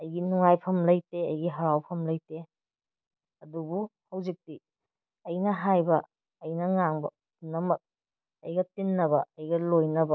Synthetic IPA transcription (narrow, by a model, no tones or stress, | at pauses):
ɐjɡinuŋajpʰɐmlɐjteɐjɡiɦɐɾawpʰɐmlɐjte | ɐdubuhɐwzik̚ti | ɐjnɐɦajbɐː | jnɐŋaŋbɐ̰ | unːɐmɐk̚ | ɐjɡɐtinːɐbɐɐjɡɐlojnɐbɐ